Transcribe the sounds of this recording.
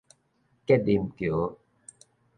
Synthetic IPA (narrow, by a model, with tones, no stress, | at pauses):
ke˥di˧˨mkjo˨˦